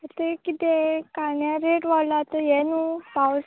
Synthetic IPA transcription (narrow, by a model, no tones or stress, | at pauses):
ət̪ekit̪ekanjaɾeʈʋalat̪əjɛnũpaws